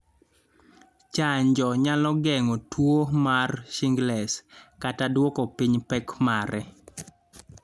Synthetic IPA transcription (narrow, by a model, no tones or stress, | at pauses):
t͡ʃaɲd͡ʒɔɲalɔɡɛŋɔtwomarʃiŋɡlɛskatadwɔkɔpiɲpɛkmaɾɛ